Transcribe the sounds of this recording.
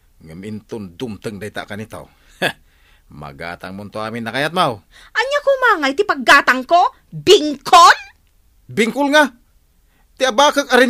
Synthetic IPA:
ŋamint̪ʊnd̪umt̪əŋd̪ait̪a̰ʔkanit̪a̰w | ma̰ɡa̰ːt̪a̰ŋmʊnt̪oaːmɪnːakajat̪̚maw | ʔaɲakomaːŋajt̪ɪpaɡːaːt̪aŋko | bɪŋkʰon | biŋkʊlŋa | t̪iabakəkaɾi

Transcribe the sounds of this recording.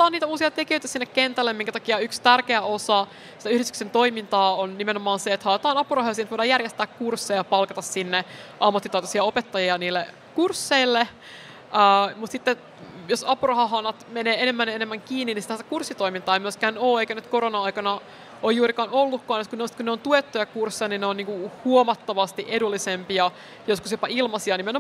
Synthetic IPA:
t̪ːɑːniːt̪æuːsiɑt̪ekijøjt̪æsinːekkːent̪ælːemiŋkæt̪ɑkiɑykst̪ærkeæosɑ | si̥t̪æyhɾist̪yksent̪oimint̪ɑːonnimenomɑːnseet̪hɑːt̪ɑːnɑpurɑhɑɑsint̪ʋojɾɑjærjest̪æːkkursːejɑpɑlkɑt̪ɑssinːeʔɑmːɑt̪ːit̪ɑot̪ɑsiɑopet̪ːɑjiɑniːlːe | kursːeilːe | əːmut̪sit̪ːe | josɑpurɑhɑɦɑnɑt̪meneːenemːænenemːæŋkiːnːinisit̪æse̥kursːit̪oimint̪ɑːemyøskæːnoːeikænyt̪koɾonɑɑikɑnɑ | ojjuːɾikɑːnolːukːɑːnjoskuneosit̪kunneont̪uet̪ːojɑkursːiɑninneoniːŋkuhuomɑt̪ːɑʋɑst̪iʔedulːisempiɑ | joskusjopɑilmɑsiɑnimeno

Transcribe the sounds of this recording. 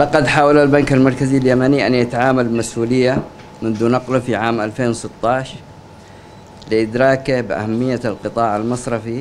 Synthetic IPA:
lɑqɑd̪ħaːwalalbankalmɑɾˤkaziljamaniʔanjat̪aʕaːmalbɪmasʔuːlɪjːa | mʊnd̪uːnɑqlʊfiʕaːmʔalfeːnwsɪt̪ːɑːʃ | lɪʔɪd̪ɾɑːkabɪʔa̰hamːɪjːalqɨt̪ˤɑːʕalmɑsˤɾˤɑfi

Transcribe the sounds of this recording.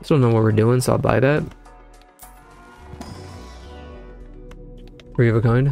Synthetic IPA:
d̥õʊ̃nːoʊwʌt̚wɨɹdʉɪ̃ŋsoʊa̰lˠba̰ɪðæt̚ | ɡ̥ɹivɨkʰõʊ̃n

